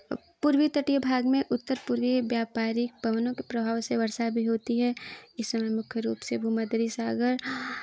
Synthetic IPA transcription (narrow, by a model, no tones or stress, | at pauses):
puɾwit̪əʈijbʱaːɡmẽʔʊt̪ːəɾpuɾʋiʋjaːpaːɾɪk̚bɐʋənõkepɾɐbʱaːʋseʋɐɾsabʱiɦoːt̪iɦɛɪsːɐməjmʊkʰjəɾṵːpsebʱuːmaːd̪əɾisaːɡəɾ